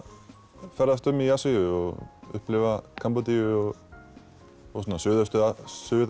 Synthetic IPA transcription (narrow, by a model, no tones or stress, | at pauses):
fɛɾðast̪ʏmijasijʏɔɣʏ̰hplɪvakʰampɔt̪ijʏɔɣ | ɔsɔnːasʏːðast̪ʏasʏːð